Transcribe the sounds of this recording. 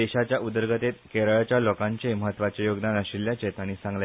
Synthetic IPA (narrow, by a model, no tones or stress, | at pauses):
eɕat͡ɕjaʔud̪əɾɡət̪et̪keɾəɭt͡ɕjalokãɲt͡ɕeməɦət̪ːʋat͡ɕejoɡd̪anəɕilːjat͡ɕɛt̪aɽ̃isãŋɡla